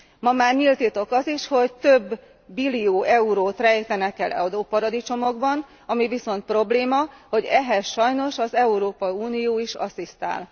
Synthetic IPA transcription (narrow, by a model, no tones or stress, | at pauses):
mɒmaːrɲilt̪it̪o̞kɒziʃho̞ct̪øbː | ilːijoːʔɛuɾoːt̪rɛjt̪ɛnɛkɛlɛ̰ud̪opɒɾɒd̪it͡ʃo̞mo̞ɡbɒn | ɒmiviso̞nt̪̚pro̞bleːmɒho̞ɟɛɦɛsʃɒjno̞ʃɒzɛuɾoːpɒiuːnijoːiʃɒ̰sist̪a̰ːl